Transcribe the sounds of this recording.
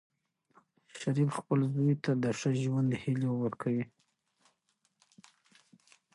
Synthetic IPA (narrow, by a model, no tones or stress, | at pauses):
ʃaɾifxpəlzujt̪ad̪əʂəʒwand̪əhilewəɾkʰawi